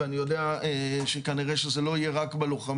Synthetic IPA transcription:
anijo̞d̪eaeʃekaniʁeʃezelo̞ije̞ʁakbeluχam

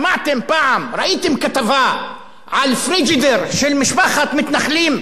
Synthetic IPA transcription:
maʕt̪ɪmpaʕamɾˤɑʔiːt̪ɪmkat̪avaːʔ | ʕalfɾid͡ʒɪd̪ɪɾʃɪlmɪʃbaxat̪mɪt̪naxliːm

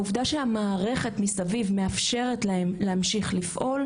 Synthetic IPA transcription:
uvdaʃehamaːʁe̞χe̞tmisavivme̞afʃe̞ʁetlahe̞mleamʃiχlifʔo̞l

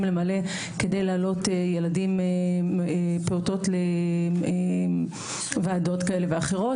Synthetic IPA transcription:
mlemale̞ | kedejlaːlo̞tejeladimeepeuto̞tlee | vaːdo̞tkaele̞veaχeʁo̞

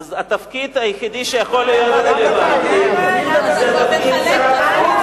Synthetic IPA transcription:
zat̪afkid̪ajeχid̪iʃejaχo̞lːijood̪levad̪ | zat̪afkid

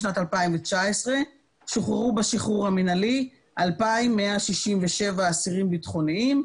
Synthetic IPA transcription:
natalpaimvet͡ʃaesʁe̞ | ʃoχeʁubaʃiχuʁhaminali | ʔalpaimːeaʃiʃimveʃe̞vaːsiʁimbitχo̞niim

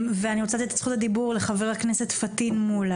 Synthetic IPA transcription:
veaniʁot͡sat̪iet̪ḁt͡sχut̪ad̪ibuʁle̞χaveʁakne̞set̪fat̪inmula

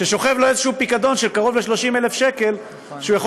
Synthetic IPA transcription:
ʃeʃo̞χevloezeʃuupikad̪o̞nʃelkaʁo̞vle̞ʃlo̞ʃimele̞fʃeke̞l | ʃujaχo

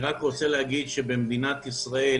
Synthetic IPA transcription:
ʁakʁot͡seleaɡid̪ʃebemd̪inat̪isʁae

